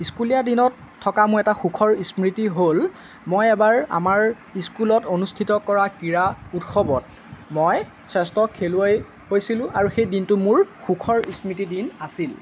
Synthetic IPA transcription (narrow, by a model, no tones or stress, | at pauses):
iskulijadinɔtʰːɔkamʊɹɛtaxukʰɔɹismɹitiɦol | mojɛbaɹa̰maɹ | iskulɔtonustʰitɔkɔɹakiɹautxɔbɔt̚ | mɔj | sɛstɔkʰeluaj | hojsilʊ̃ʔaɹuxejdintʊmʊɹxukʰɔɹismɹitidinasil